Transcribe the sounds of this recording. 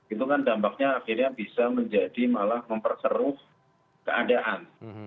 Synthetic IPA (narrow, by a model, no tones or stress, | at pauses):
it̪ukandampak̚ɲaːxirɲabisaməɲd͡ʒadimalahməmpərsəɾʊh | kəadaʔan